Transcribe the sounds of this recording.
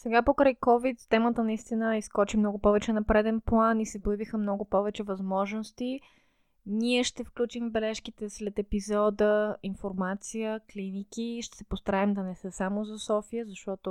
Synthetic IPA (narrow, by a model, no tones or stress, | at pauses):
sɛɡapokɾajkɔvit̪st̪ɛmət̪ənɐist̪inəiskɔt͡ʃimnɔɡʊpɔvɛt͡ʃɛnɐpɾɛd̪ɛnplˠanisɛbojəbixəmnɔɡʊpɔvɛt͡ʃɛvɐzmɔʒnost̪i | niɛʃt̪ɛfklʲut͡ʃiɱvbɛlɛʃkit̪ɛslɛt̪ɛpizɔd̪əinfoɾmat̪sijəklinik̟iʃt̪ɛ̥sɛpost̪ɐɾaɛmd̪ɐnɛsəsamozɐsɔfijəzɐʃt̪ɔt̪o